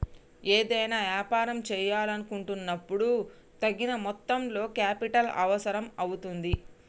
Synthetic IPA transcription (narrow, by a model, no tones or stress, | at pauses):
e̞ːd̪ɐjnaːʋjaːpaːɾɐmt͡ʃɛːjaːlɐnukuɳʈunːɐpːuɽu | t̪ɐɡːinɐmɔt̪ːɐmlo̞ːkaːpiʈɐlɐ̰ʋɐsɐɾɐmɐwut̪und̪i